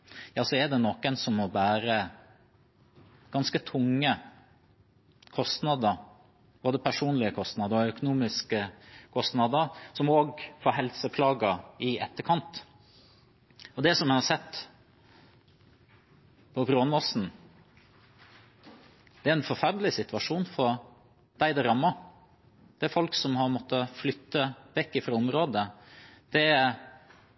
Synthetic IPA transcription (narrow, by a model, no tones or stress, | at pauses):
jɑːsɔɛɖ̪ɛnɔkːənsɔmɔʋæːɾə | ɡ̥ɑnskət̪ʰʊŋːə | kʰɔst̪nɑd̪əɾ | boːd̪əpʰæʂuːnlɪəkʰɔst̪nɑd̪əɾɔœkʊnuːmɪskəkʰɔst̪nɑd̪əɾsɔmoːɡfɔːɦɛlsəpʰlɑːɡəɪɛt̪ːəkʰɑnt̪ | ɔd̪ɛsɔmɛhɑsɛt̪ː | pʰɔbɾoːnɔsn̩ | d̪̥ɛæɾɛnfɔɾfæɾɖ̪lɪsɪt̪ʉʋɑʂuːnfɔɾ | d̪̥æɪd̪ɑɾɑmːɑ | d̪̥ɛæɾfɔlksɔmhɑɾmɔt̪ːəflʏt̪ːəbɛkːəfɾɑɔmɾoːd̪əd̪̥ɛæɾ